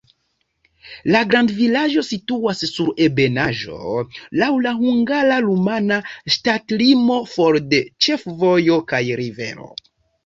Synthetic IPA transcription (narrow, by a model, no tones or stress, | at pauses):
laɡɾandvilaʒo̞situasːuɾe̞be̞naʒo̞̰lawlaɦuŋɡaɾaɾumanaʃtatlimo̞fo̞ɾde̞t͡ʃe̞fvo̞jo̞kajɾive̞̰ɾo̞̰